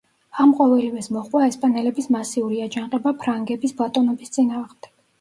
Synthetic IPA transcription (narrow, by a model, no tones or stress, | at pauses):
amqʼɔvɛlivɛsmɔχʼwaɛspʼanɛlɛbismasiuɾiad͡ʒanqʼɛbapʰɾaŋɡɛbisblˠat̪ʼɔnɔbist̪sʼinaːʁmd̪ɛ̥k̚ʰ